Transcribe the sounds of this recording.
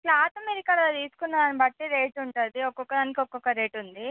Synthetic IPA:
plaːt̪ɐmeɾikɐlɐt̪iːsu̥kunːɐːɐnibɐʈːiɾeːʈuɳʈund̪iɔkːɔkːɐd̪aːnikiɔkːɔkːɐɾeːʈund̪i

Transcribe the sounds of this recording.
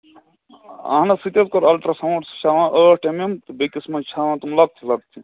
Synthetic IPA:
a̰ːnɐsit̪ɐt̪koɾɐlʈɾɐsɐmoʈsʃaʋãːʔəːʈememt̪ɨbekismɐt͡ʃʰaːʋãːt̪umlɐɡ̚t̪ʰilɐɡ̚t̪ʰi

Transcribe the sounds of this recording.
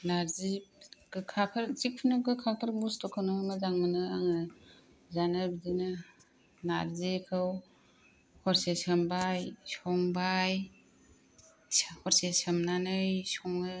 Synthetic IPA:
naɾziɡ̥ɯkʰapʰɐɾzik̚pʰunɯɡɯkʰapʰaɾbustɔkʰawnɯmɯzaŋmɯnɯaŋa | zanɯbdinɯ | na̰ɾzikʰɯw | hɔɾsesɯmbajsɔŋbaj | hɔɾsesɯmnanɯjsɔŋɯ

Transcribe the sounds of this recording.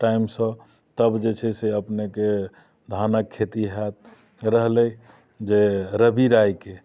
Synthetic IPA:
ʈaimsə̃ | t̪əbd͡ʒet͡ʃʰɛseəpneke | d̪ʱanəkʰːet̪iɦɛt̪̚ | ɾəɦlɛ | d͡ʒeɾəbiɾajke

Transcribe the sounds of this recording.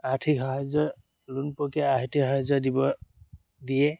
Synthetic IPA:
atʰikɦɔɦazɔ | lunpɔkɛaɦitihɔɦazɔdibɔ | diɛ

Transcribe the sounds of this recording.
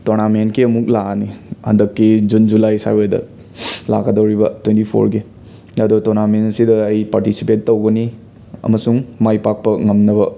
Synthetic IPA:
toɾnamenkiɐmuk̚lanihɐ̰ndɐkːid͡ʒund͡ʒulajsa̰jojdɐ̰ | la̰ɡɐdɐwɾibɐtwentipʰo̰ɾɡi | ɐdutoɾnamenɐsidɐːjpaɾtisi̥petːɐwɡɐni | ɐ̰mɐsuŋmajpak̚pɐŋɐmnɐbɐ

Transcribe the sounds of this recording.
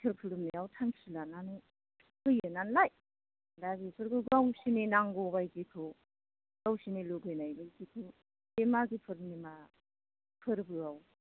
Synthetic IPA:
tʰɯɾpʰɯɾɯmniawtʰaŋsilananɯ | kɯjɯnanlaj | laɡisʰɯɾɡɯɡawsinenaŋɡobajkikʰɯ | ɡawsineloɡɯjnajbajkikʰɯ | emaɡipʰɯɾɯmnima | pʰɯɾbɯaw

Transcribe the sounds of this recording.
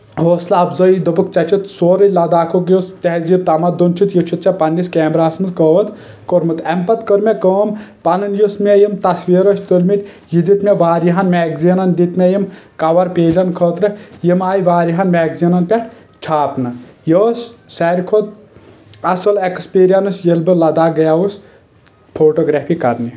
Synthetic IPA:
ɦoːslaːbzɐjid̪əbɨkt͡ʃɐt͡ʃʰit̪soːɾɐlɐd̪aːkʰokjost̪eɦzjib̚t̪ɐmɐd̪unt͡ʃʰit̪jut͡ʃʰut̪̚t͡ʃʰɐpɐnːiskeːmɾaːsmɨzkəːʋət̪ | koɾmɨt̪ɐmpɐt̪kəɾmʲekəːmpɐnɐnjusmejimt̪ɐsʋiːɾɐt͡ʃʰt̪ulʲmit̪ʲ | jid̪it̪mʲeʋaːɾjiɦɐnmeːɡzinɐnd̪it̪mʲejimkɐʋɐɾpeːd͡ʒɐnkʰoːt̪ɾɨjimaːjiʋaːɾiɦɐnmɛːɡzinɐnpʲeʈʰ | t͡ʃʰaːpnɨjoːssɛɾʲkʰot̪ | ɐsɐlekspiːɾijɐnɐsjelbɨlɐd̪aːɡɐjaːus | pʰoːʈoɡɾaːpʰikɐɾni

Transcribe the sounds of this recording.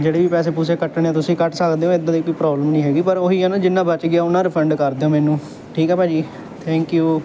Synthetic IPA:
d͡ʒeːɽeːʋiːpɛːseːpuːseːkəʈɳeãːt̪ʊsĩːkəʈʰsəkd̪eːõːɪd̪ãːd̪ikiːpɾɔːbləmnĩːɦɛːɡiːpəɾoːiːɛːnaːd͡ʒɪnːãːbət͡ʃɡɪaːʊnãːɾəpʰəɳɖkəɾd̪eːõːmɛːnũː | ʈʰiːkɦɛːpɛːd͡ʒiː | t̪ʰɛ̃ːŋkjuː

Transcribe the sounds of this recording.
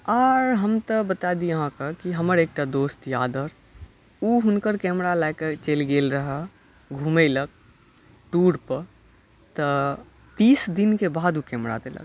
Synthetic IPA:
ɔːɾɦəmt̪əbət̪ad̪ijəɦãkəkiɦəməɾeːk̚ʈad̪oːst̪jaːd̪əɾ | uɦʊnkəɾkɛːmɾalaɪket͡ʃelɡeːlɾəɦə | ɡʱũːmelək̚ | ʈuːɽpəɾ | t̪ə | t̪iːsd̪ɪnkebaːd̪ukɛːmɾa̰d̪ḛlə̰ɡ

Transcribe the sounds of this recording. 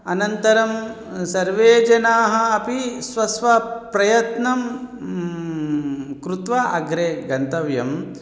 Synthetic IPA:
ɐnɐnt̪ɐɾɐm | sɐɾʋeːd͡ʒɐnaːɦɐ̆ɐpisʋɐsʋɐpɾɐjɐt̪nɐm | kɾut̪ʋɐʔɐɡɾeːɡɐnt̪ɐʋjɐm

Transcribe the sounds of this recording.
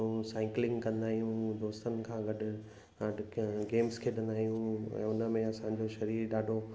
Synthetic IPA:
ũsaːɪklɪ̃ŋɡkɐ̃nd̪aːɦijũd̪oːst̪ənɪ̆kʰãːɡɐɗ | ɐɡeːmskʰeːɗɐ̃nd̪aːɦijũɛ̰̃ːʊnə̆mẽɐsãɲ̆d͡ʑoʃɐɾiːɾɗaːɖʱo

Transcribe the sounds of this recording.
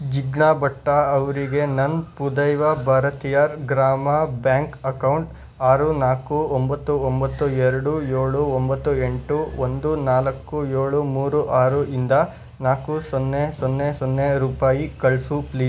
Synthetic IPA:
d͡ʒiɡɳaːbɐʈːaɐʋɐɾiɡe̞nɐnpud̪ɐjʋɐbʱaːɾɐt̪ijɐɾɡɾaːmɐbjaːŋkɐkɐwɳʈ | aːɾunaːkuombɐt̪ːuombɐt̪ːuɛɾɐɽujeːɭuombɐt̪ːueɳʈuond̪unaːlɐkːujeːɭumuːɾuʔaːɾuind̪ɐ | naːkusonːesɔnːesɔnːeɾuːpaːjikɐɭsupliːs

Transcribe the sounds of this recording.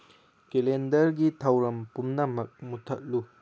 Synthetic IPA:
kelendɐɾɡitʰɐwɾɐmpumnɐmɐk̚mutʰɐk̚lu

